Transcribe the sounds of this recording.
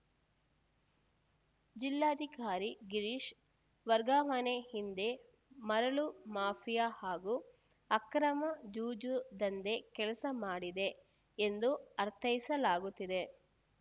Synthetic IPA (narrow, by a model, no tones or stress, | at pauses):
d͡ʒilːaːd̪ʱikaːɾiɡiɾiʃ | ʋɐɾɡaːmɐnehind̪e̞ | mɐɾɐɭumaːpʰijahaːɡu | ɐkɾɐmɐd͡ʒuːd͡ʒud̪ɐnd̪e̞kɛlɐsɐmaːɽid̪e̞ː | nd̪uɐɾt̪ʰɐjisɐlaːɡut̪ːid̪e̞